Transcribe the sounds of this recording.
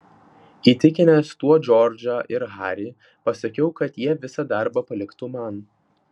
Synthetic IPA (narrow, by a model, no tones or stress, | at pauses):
iːt̪ʲɪkʲɪnʲest̪uɔd͡ʒʲɔɾʲd͡ʒʲɐʔɪɾɦɑːɾʲi | pɐsɐkʲɛʊkɐt̪jiɛʋʲɪsɐd̪ɑˑɾbɐpɐlʲɪkt̪ʊmɐn